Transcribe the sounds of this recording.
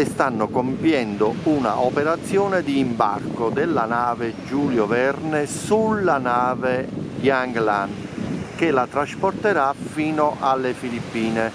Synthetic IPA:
ɪst̪anːʊkompjɛnd̪ouna̰ʔɔpeɾat̪sːjɔːnɪd̪iːmba̰rkʊd̪ɪlːanaːved͡ʒuːljovɛrnesulːanaːveɡjaŋɡlank̟ɪlat̪ɾaspɔrt̪eɾafiːnʊʔalːefilipːiːne

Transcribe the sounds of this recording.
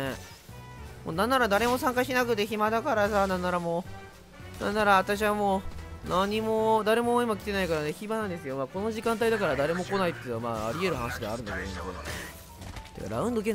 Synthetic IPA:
e | mo̰ːnãnːaɾad̪aɾe̞mo̞sãŋkaɕinakɯ̟t̪e̞çimad̪akaɾasanãnːaɾamo | nã̰nːaɾaːt̪aɕ̬iβamoːnaɲ̟imo̞d̪aɾe̞mo̞imakʲi̥t̪e̞naikaɾane̞çibanãnd̪e̞s̬ɨjo̞maːko̞no̞ʑikãnt̪aid̪akaɾad̪aɾe̞mo̞ko̞nait̪ːenoama̰ːa̰ɾʲie̞ɾɯ̟hanaɕid̪e̞a̰ɾɯ̟nd̪aked̪ond̪keo̰ | t̪ḛka̰ɾa̰ɯ̟̃nd̪o̞k̬e

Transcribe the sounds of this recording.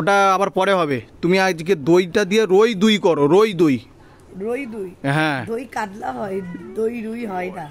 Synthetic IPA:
oʈaabaɾpɔɾeɦɔbet̪umiad͡ʒked̪ojʈad̪ijeɾojd̪ujkɔɾoɾojd̪uj | ɾojd̪ujɦɛ̃d̪ojkadlaɦɔjd̪ojɾujɦɔjda

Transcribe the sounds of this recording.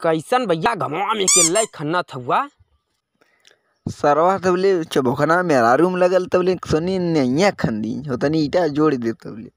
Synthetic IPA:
kəjsənbəjːaɡʱəmawamekeləjkʰɐnːat̪ʰəbuwa | səɾʋat̪ʰɐblet͡ʃəbokʰənameɾaɾumləɡəlt̪əblesoninəjãkʰːənd̪ḭɦot̪əniːʈad͡ʒoːɽid̪iɾ̚t̪ə̰blḛ

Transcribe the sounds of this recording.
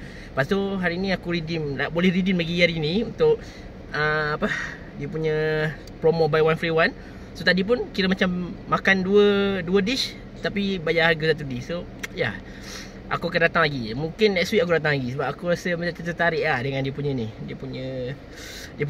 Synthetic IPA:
pasoɦaɾinĩakuɾidimlabolɛhɾidimlaɡijaɾinĩunt̪ʊʔ | əapə | diəpuɲə̃ | pɾomobajwanfɾiwan | sot̪adip̬ʊnkiɾəmat͡ʃamːakanduəduədiʃ | t̪apibajaʔharɡasat̪̬udiso | ja | ʔa̰kuakandat̪aŋlaɡimuŋkɪnɛʔswiʔakudat̪aŋlaɡisəbap̚akuɾasəməat͡ʃ̪ət̪ət̪aɾɪʔlahdəŋãndiəpuɲənidiəpuɲə̃ | diəp

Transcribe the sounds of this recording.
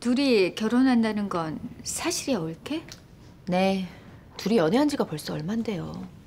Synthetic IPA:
tuɾikjʌɾonɦandanɯnɡʌnsʰaɕʰiɾiʌuɭkʰe̞ | ne̞ | tuɾiʌneɦand͡ʑiɡapoɭs͈uʌɭmande̞jo

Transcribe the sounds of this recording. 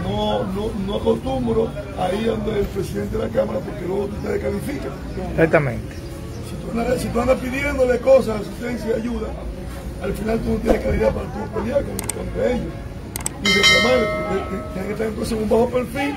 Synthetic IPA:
nonono̞ako̞st̪umbɾoaiðo̞nd̪eːlpɾesiðent̪eðelakamaɾapoɾkelweɣot̪ut̪eðekalifika | sak̚t̪amẽnt̪e̥ | sit̪uand̪asit̪uand̪ahpiðje̞nd̪o̞le̞ko̞sasas̬it̪e̞nsjajaʝuða | alfinalt̪unot̪̬jenekaliðapaɾat̪uepeljalkonek̪ampɾeeʝos | iðeklamaɾekoeet̪jenekeht̪aɾent̪ons̬eumbahope̞ɾfil

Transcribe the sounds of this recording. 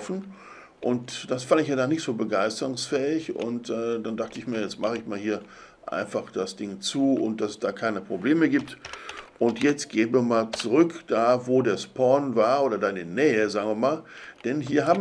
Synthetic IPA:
fn̩ | ʔʊntd̥asfandɪçjaːdaːnɪçtz̥oːbəɡaɪstəʁʊŋsfɛːɪçʊ̰ntʔɛːdandaχtəɪçmiːɐjɛt͡stmaχəɪçmaːlhiːɐ | ʔa̰ɪnfaχd̥asd̥ɪŋt͡suːʔʊ̰nt̚d̥asɛsd̥aːkʰaɪnəpʁ̥obleːməɡiːp̚tʔʊntjɛt͡stɡ̥eːənviːɐmaːlt͡suʁʏkd̥aːvoːdeːɐspʰɔɐnvaːɐʔoːdɐdaɪɪnənɛːəzaːɡŋviːɐmaːld̥ɛnɦiːɐɦaːbm

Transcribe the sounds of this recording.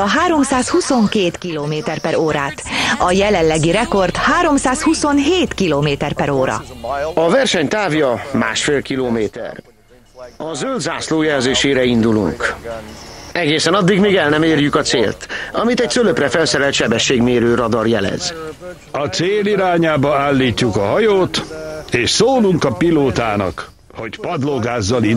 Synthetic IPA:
ɒɦaːɾo̞msaːshuso̞ŋkeːt̪kiloːmeːt̪ɛrpɛɾoːɾaːt̪ɒjɛlɛlːɛɡiɾɛko̞rt̪haːɾo̞msaːshuso̞nɦeːt̪kiloːmeːt̪ɛrpɛɾoːɾɒ̰ɒvɛrʃɛɲt̪aːvjɒma̰ːʃfeːlkiloːmeːt̪ɛ̰r | ɒzøld̪zaːsloːjɛlzeːʃeːɾɛind̪ulṵŋk | ɛɡeːsɛnɒd̪ːiɡmeːɡɛlnɛmeːrjykɒt̪sḛːlt̪ɒmit̪ɛc̚søløprɛfɛlsɛɾɛlt̪ʃɛbɛʃːeːɡmeːɾøːɾɒd̪ɒrjɛlɛ̰z̥ | ɒt̪seːliɾaːɲaːbɒaːlːiːcːukɒɦɒjoːt̪eːʃsoːluŋkɒpiloːt̪aːnɒ̰k | ho̞cpɒd̪loɡaːzːɒli

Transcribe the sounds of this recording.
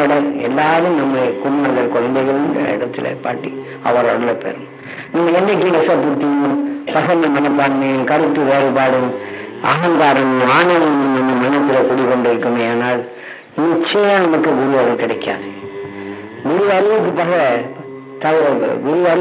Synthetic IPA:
ɽɐɛ̰lːaːðɯmnɐmːɐkʊmːaːɾɣɐɭkɔɻɐnd̪ɐɪɣɐɭɯndɐ̰ɪ̰ɽɐt̪ːɪ̰lɐ̰pa̰ːʈːi | ɐ̰ʋɐɾɐɽɐlɐpḛːɾɯ | nɐmːɐɛnɖɐk̬ːinɪsɐpːɯt̪ːɪjɯmpɐɣɐnɐmɐnɐpːaːɳmɐjɯmkɐɾɯt̪ːɯʋeːlɐɪpaːɽɯmʔɐɣɐŋɡaːɾɐmaːnɐːlɐɐmːɐnːɐmɐnɐt̪ːɪlɐkʊɽɪkːɔɳɖɯɾɯkːɯmaːnaːl | nɪt͡ʃːɐjaːnɐmɐkːɯɡʊɾɪʋɐɣɐlkɪɽɐɪkːa̰ːð | ɡʊɾɪʋɐɾɯʋɯk̬ːɯpːɐɣɐ | t̪ɐɡʊɾɪʋɐɾ

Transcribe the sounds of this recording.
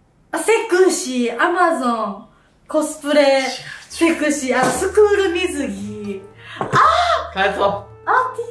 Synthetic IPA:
asekɯɕiamazõŋ | ko̞sɨ̥pɯ̟ɾesekɯ̟ɕianosɨkɯːɾɯ̟mʲizɨɡʲi | akaso | at̪i

